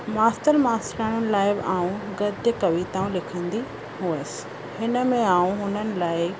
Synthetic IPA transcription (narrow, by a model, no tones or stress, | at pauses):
maːsʈəɾmaːsɾaːɽ̃ənɪ̆laːɪbʔaːũɡɐd̪jəkɐʋit̪aːũlɪkʰə̃ːn̆d̪i | ɦuəsɪ̥ | hɪnə̆mẽaːũɦʊnənɪ̆laːɪ